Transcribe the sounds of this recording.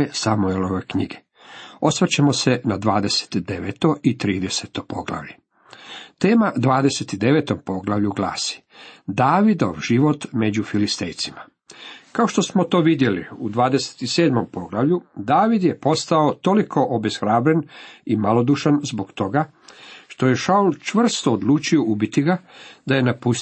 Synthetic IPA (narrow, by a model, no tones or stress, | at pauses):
esamueloʋekɲiɡe | o̞sʋet͡ɕemosenad̪ʋaːd̪e̞se̥t̪d̪e̞ʋet̪o̞ʔit̪ɾiːd̪e̞set̪opo̞ɡla̰ʋʎe | t̪e̞ːmad̪ʋaːd̪eset̪id̪e̞ʋet̪o̞mpo̞ɡlˠaʋʎuɡla̰ːsi̥ | d̪aːʋid̪o̰ʋʒiʋo̞t̪me̞d͡ʑufilist̪e̞̰jt̪sima | kao̞ʃt̪o̞smo̞t̪o̞ːʋid̪je̞lḭud̪ʋaːd̪ese̥t̪ise̞ːd̪mo̞mpo̞ɡlaʋʎud̪aːʋid̪je̞po̞st̪aot̪o̞likʰo̞ʔobesxɾaːbɾenimalo̞d̪uːʃanzboɡt̪o̞ɡa | ʃt̪o̞je̞ʃault͡ʃʋr̩st̪oːd̪luːt͡ʃioubit̪iɡad̪aje̞napus